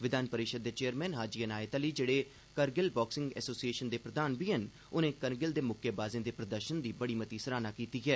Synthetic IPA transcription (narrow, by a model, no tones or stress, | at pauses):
ʋɪd̪aːnpəɾɪʃəd̪ːeːt͡ʃeːəɾmɛ̃ːnɦaːd͡ʒiːənaːet̪aːliːd͡ʒeːɽeː | kəɾɡɪlbɔːksɪ̃ŋɡɛ̰ːsoːsieːʃənd̪eːpɾəd̪aːnbiːən | ʊnẽːkənɡɪld̪eːmʊkʰːebaːzẽːd̪eːpɾəd̪əɾʃənd̪iːbəɽiːmət̪iːsəɾaːnaːkiːt̪iːɡɛː